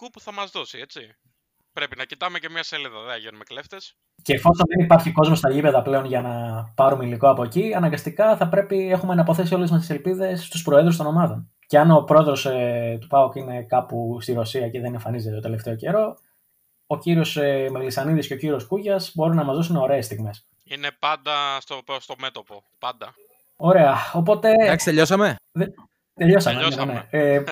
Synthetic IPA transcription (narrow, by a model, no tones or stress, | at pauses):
kupuθɐmɐzðosiet͡si | pɾe̞pinɐcit̪ɐmecemɲɐseliðɐðeɐʝenumekleft̪es | ce̞ːfo̞sonðenipɐɾçiko̞zmo̞st̪ɐʝipe̞ðɐple̞o̞nʝɐnɐpɐɾumeiliko̞ɐpoeciɐnɐŋɡɐst̪ikɐθɐpɾe̞pie̞xumenɐpo̞θe̞sio̞lezmɐst̪ise̞lpiðe̞sːt̪uspɾo̞eðɾust̪ono̞mɐðo̞n | ce̞ɐno̞pɾo̞e̞ðɾo̞st̪upɐokine̞kɐpust̪iɾo̞siɐceðene̞ɱfɐnizet̪et̪ot̪ele̞ft̪e̞o̞ce̞ɾo̞ | ociɾio̞semeɣlisɐniðisce̞ociɾio̞skuʝɐsbo̞ɾinɐmɐzðosuno̞ɾe̞ːst̪iɣme̞s | inepɐnd̪ɐst̪opst̪omet̪opo | pɐnd̪ɐ | o̞ɾe̞ɐo̞po̞t̪e̞ɐkst̪eʎosɐmeðe | t̪eʎo̞sɐmene